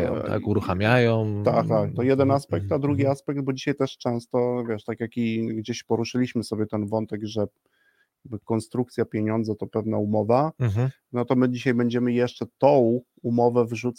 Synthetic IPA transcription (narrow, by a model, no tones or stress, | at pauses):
jɔ̰̃wt̪a̰kuɾuxamʲjajɔwt̪a̰kt̪ak̚t̪ɔjɛd̪ɛnaspɛk̚t̪ad̪ɾuɡʲiaspɛk̚d̪̚bɔd͡ʑiɕajt̪ɛʂt͡ʂɛ̃w̃st̪ɔvʲjɛʂt̪akʲjakʲiɡd͡ʑeɕpɔɾuʂɘlʲiɕmɘsɔbʲjɛt̪ɛnvɔnt̪ɛɡʐɛ | bkɔnst̪ɾuk̚t̪sʲjapʲjeɲɔnd̪zɛt̪ɔpɛvnaumɔva | nɔt̪ɔmɘd͡ʑiɕajbɛɲd͡ʑɛmɘjɛʂt͡ʂɛt̪ɔ̃w̃ | umɔvɛvʐut̪s